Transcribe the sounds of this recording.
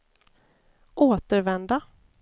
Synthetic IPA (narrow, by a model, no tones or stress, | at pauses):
ʔoːt̪əɾvɛnd̪a